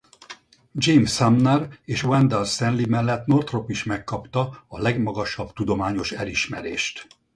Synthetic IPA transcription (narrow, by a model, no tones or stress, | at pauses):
d͡ʒejmsamnɛreːʃwɛnd̪ɛlst̪ɛnlimɛlːɛt̪no̞rt̪ropiʃmɛkːɒpt̪ɒɒlɛɡmɒɡɒʃɒb̥t̪ud̪o̞maːɲo̞ʃɛliʃmɛɾḛːʃt̪